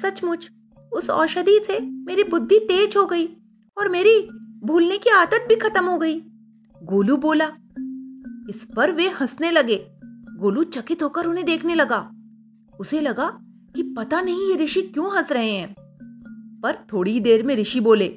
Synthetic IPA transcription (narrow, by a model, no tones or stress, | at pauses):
sɐt͡ʃmʊd͡ʒ | ʊsɔ̰ːɾʃɐd̪isemeːɾibʊd̪ʱːit̪eːd͡ʒɦoɡɐiː | ɔːɾmeːɾibʱuːlnekiaːt̪ət̪̚bʱikʰɐt̪əmɦoɡɐiː | ɡoːluboːlaː | ɪspɐɾʋehɐsnelɐɡeːɡoːlut͡ʃɐkɪt̪ɦoːkɐɾʊnɦẽd̪eːkʰnelɐɡaː | ʊselɐɡa | kipɐt̪anɐɦĩjeɾɪʃikjõːɦɐsɾɐɦẽɦɛ̃ː | pɐɾt̪ʰoːɽid̪eːɾmẽɾɪʃiboːleː